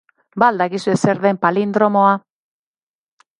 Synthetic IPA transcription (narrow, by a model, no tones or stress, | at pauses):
bald̪akisuese̞ɾðempalind̪ɾo̞moa